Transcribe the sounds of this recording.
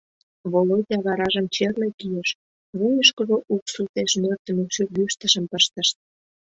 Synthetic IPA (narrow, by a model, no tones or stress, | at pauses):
βolotʲɑβɑɾɑʒəmt͡ɕerlekijeʃ | βujəʃkəʒoʔuksut̪eʃnørt̪ə̆nekʃyrɡyʃt̪əʃəmpəʃt̪əʃt̪̚